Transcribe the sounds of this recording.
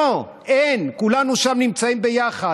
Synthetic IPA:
o | enkulanuʃamnimt͡saimbejaχa

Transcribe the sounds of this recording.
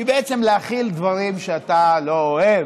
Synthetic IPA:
ibeet͡semleaχild̪vaʁimʃeat̪alo̞oev

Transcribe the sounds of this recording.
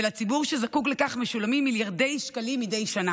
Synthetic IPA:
lat͡sibuʁʃezakuklekaχmeʃulamimːiljaʁde̞jʃkalimide̞jʃana

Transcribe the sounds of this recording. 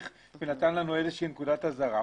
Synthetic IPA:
χ | venat̪anlanuezeʃeɦinekudat̪hazaʁa

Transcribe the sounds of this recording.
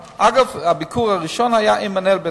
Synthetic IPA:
ʔaɡafhabikʰuʁhaʁiʃɔnhajaʔimanɛlbɛ

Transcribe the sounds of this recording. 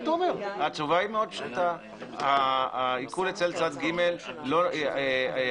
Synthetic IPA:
t̪aomeʁhat͡ʃuvaimeod̪pʃut̪a | haaikulet͡selt͡sad̪ɡime̞lːo

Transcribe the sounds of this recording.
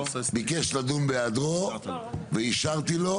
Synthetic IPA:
bikeʃlad̪unbead̪ʁo | veiʃaʁt̪ilo̞

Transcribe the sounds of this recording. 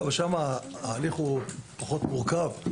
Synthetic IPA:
veʃamaaːliχupaχo̞t̪muʁkav

